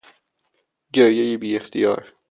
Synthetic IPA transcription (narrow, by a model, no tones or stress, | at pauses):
ɟeɾjejibiːext̪ʰijɒ̰ːɾ